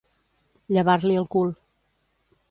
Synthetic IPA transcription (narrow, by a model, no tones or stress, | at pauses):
ʎəβaɾliəlˠkul